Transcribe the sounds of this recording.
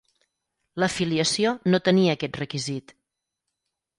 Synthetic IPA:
ləfiliəsionot̪əniəːkɛt̪rəkizit̪

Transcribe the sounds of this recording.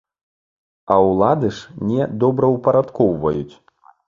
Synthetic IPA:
ɐwlˠad̪ɨʂnʲɛd̪ɔbɾɐwpɐɾat̪kɔwvɐ̰jut͡sʲ

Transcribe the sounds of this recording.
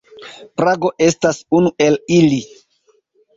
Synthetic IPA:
pɾaɡo̞ʔe̞stasunuʔe̞lili

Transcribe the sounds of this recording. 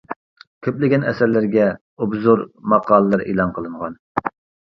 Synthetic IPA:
kʲʰøplɪɡʲɛnɛsæɾlɪɾɡʲɛ | ubzuɾmɑqʰɑːlˠəlˠɨɾḛlˠɑŋqʰəlˠɨɴʁɑn

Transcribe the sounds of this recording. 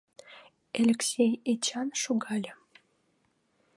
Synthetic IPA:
elʲeksʲejet͡ɕɑnʃoɣɑlʲə̆

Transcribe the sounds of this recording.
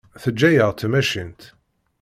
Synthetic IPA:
θəd͡ʒːæjəʁt̪ʰəmæʃint̪

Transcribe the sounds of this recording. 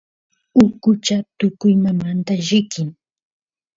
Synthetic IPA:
ʊkʊt͡ʃat̪ʊkʊjmamant̪aʒɪkɪŋ

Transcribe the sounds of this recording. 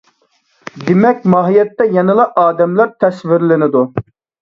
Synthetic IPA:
d̪ɪmɛk̚ʲmɑːɦijɛt̪ːɛjɛnɨlˠɑʔɑːd̪ɛmlæɾt̪ʰɛsvɪɾlɪnɪd̪u

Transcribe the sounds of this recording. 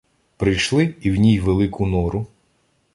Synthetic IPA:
pɾɪjʃlˠɪiwnʲijʋelˠɪkʰʊnɔɾʊ

